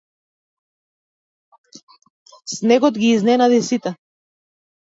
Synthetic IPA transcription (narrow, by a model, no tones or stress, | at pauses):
snɛɡɔd̪ɡiːznɛnad̪isit̪a